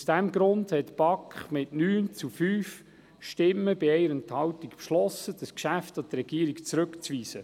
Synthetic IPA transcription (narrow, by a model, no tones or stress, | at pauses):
sd̥æmɡɾʊndhɛtb̥ɑkχmɪtnyːnt͡sufyːf | ʃtɪmːəbɪɛɪəɾɛnthɑwtikpʃlɔsəd̥əskʃæftɑt̪ɾɛɡ̥iːɾikt͡sɾɵkt͡sʋiːsə